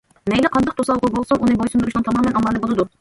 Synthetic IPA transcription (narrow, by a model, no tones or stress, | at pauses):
mɛjlɪqʰɑnd̪ɑq̚t̪ʰosɑlˠʁʊbolˠsununɨbojsund̪ɾuʃnɨŋt̪ʰɑmɑːmɛnɑmɑlːɨbolˠɨd̪u